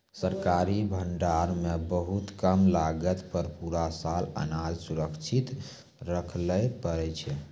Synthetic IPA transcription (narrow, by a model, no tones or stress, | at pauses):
səɾkaɾibʱəɳɖaɾmebəɦut̪kəmlaɡət̪pəɾpuɾasalə̰nad͡ʒsuɾəkt͡ʃʰit̪ | ɾəkʰləpəɾɛt͡ʃʰɛ